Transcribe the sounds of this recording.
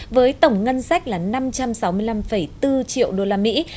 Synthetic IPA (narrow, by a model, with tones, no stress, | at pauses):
vəː˨˦jt̪ə˧˩wŋ͡mŋə˧nsa˦˥k̟̚laː˨˩na˧mt͡ɕa˧msa˨˦wmɨ˧əjla˧mfə˧˩jt̪ɨ˧t͡ɕḭ˧˨ə˨wɗo˧laː˧mḭ˧˥